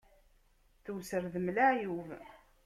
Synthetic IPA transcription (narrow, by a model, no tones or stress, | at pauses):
θuwsəɾðəmlaʕjuv